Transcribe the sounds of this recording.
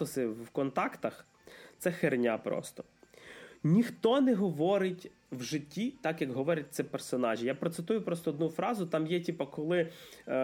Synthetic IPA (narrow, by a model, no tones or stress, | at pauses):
ɔsɪwkɔnt̪ɑkt̪ɐx | t̪sɛxernʲapɾɔ̰st̪ɔ̥ | nʲixt̪ɔnɛɦɔʋɔɾɪtʲ | wʒɪtʲːit̪ɑkjɐkɦɔʋɔɾʲɐt̚ʲt̪sɛpɛrsɔnɑʒʲijapɾɔt̪sɪt̪ujʊpɾɔst̪ɔːd̪nufɾɑzʊt̪ɑmjɛtʲipɐkɔlˠɪ